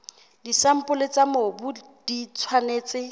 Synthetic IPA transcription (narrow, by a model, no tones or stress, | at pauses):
disam̩pʊlet͡samobʊ | d̥it͡sʰwaneːt͡sʼɪ